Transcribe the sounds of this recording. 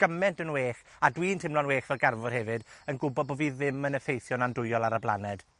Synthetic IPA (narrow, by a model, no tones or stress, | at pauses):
ɡ̥əmɛntənweːχ | adwiːntʰɪmlɔnweːχvɛlˠɡarvɔd̥hɛvɨdənɡʊbɔboviðɪmənəfejθjɔnandʊjɔlˠaɾablˠa̰nɛd̥